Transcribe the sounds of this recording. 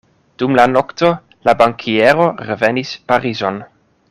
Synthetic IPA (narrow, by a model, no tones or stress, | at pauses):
d̥umlanokt̪o | labaŋkʰieɾoɾevenispaɾizon